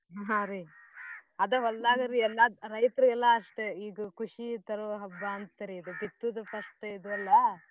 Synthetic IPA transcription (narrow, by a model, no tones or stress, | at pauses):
ɦɦãɾi | ɐd̪ɐɦɔlːaːɡɐɾiɛlːaɾɐjt̪ɐɾiɡɛlːɐːʂʈeiːɡɐkuʂit̪ɐɾoɦɐbːaːnt̪ːɐɾiːd̪ubit̪ːud̪ɐpɐʂʈid̪uɐlːɐ